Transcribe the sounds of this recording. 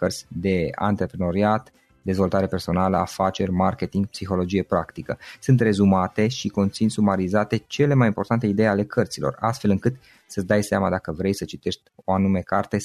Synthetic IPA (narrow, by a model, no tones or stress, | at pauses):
kərt̪sʲd̪e̞a̰nt̪ɾe̞pɾeno̞ɾiat̪ | d̪e̞zvo̞lt̪aɾe̞pe̞rso̞naləafat͡ʃe̞rʲmarke̞t̪iŋɡ̚psixo̞lo̞d͡ʒije̞pɾakt̪ikəsɨnt̪re̞zumat̪e̞ʃiko̞nt̪sinsumaɾizat̪e̞t͡ʃe̞le̞majimpo̞rt̪ant̪e̞id̪e̞jale̞kʰərt̪silo̞̰ra̰st̪fe̞lɨŋkɨt̪ | səsd̪ajseamad̪akəvɾe̞jsət͡ʃit̪e̞ʃt̪ʲo̞anume̞kart̪e